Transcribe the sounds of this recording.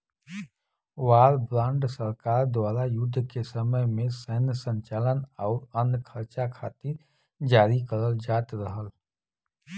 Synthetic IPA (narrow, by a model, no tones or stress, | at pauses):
waːɾbɾãːɳɖsəɾkaːɾd̪waːɾajʊd̪ʱːkesəməjmẽsɛɦnsə̃ɲt͡ʃaːlənɔːɾənkʰəɾt͡ʃakʰaːt̪ɪɾ | d͡ʒaːɾikəɾəld͡ʒaːt̪ɾəɦəl